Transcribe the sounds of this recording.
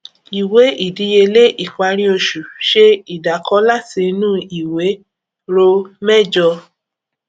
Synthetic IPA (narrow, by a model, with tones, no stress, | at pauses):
i˨we˨˦i˦˨di˨˦je˧le˦ʔi˦˨k͡pa˧ɾĩ˦o˧ʃu˨ʃe˦˧i˨da˨kɔ˧˦la˦˨ti˧nũ˦i˨we˨˦ | ɾo˦˧mɛ˦d͡ʒɔ˧